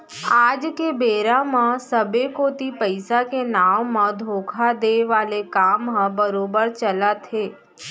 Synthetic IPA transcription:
ad͡ʒkebeɾamãsəbekot̪ipəjsakenaʋmãd̪ʱokʰad̪eʋalekambəɾobəɾt͡ʃəlat̪ʰe

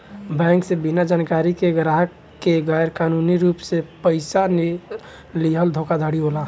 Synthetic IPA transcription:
bɛ̃ːŋksẽbinad͡ʒaːnkaɾikeɡɾaɦəkː | eɡajəɾkaːnuniɾuːpsepəɪsani | liɦəld̪ʱoːkad̪ʱaɽiɦola

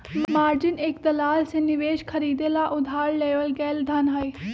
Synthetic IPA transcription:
mmaːɾd͡ʒɪnekd̪ɐlaːlsẽnɪʋeːʃkʰəɾiːd̪elaʔʊd̪ʱaːɽːeːʋəlɡɛːld̪ʱɐnɦɐiː

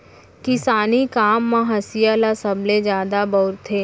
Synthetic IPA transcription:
kɪsaːnikaːmːãɦɐsijalasəbled͡ʒjaːd̪abɔːɾt̪ʰːeː

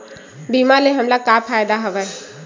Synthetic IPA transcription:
bimaleɦəmlakapʰaːjd̪aɦəʋɛ

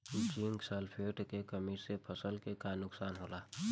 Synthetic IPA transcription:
kiŋɡsɛlpʰeːʈkekəmisepʰəsəlkekanʊksaːnɦoːlaː

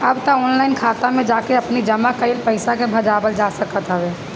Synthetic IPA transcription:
əbt̪aɔːnlaɪnkʰaːt̪amẽd͡ʒaːkeəpnid͡ʒəmakəɪlpəɪsakebʱəd͡ʒaːbəld͡ʒasəkət̪ɦəbe

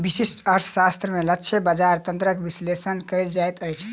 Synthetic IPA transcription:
bisisʈəɾt̪ʰsast̪ɾəmeləkːt͡ʃʰebəd͡ʒaɾt̪ənt̪ɾəkbislesənkəjld͡ʒajt̪əjt͡ʃʰ

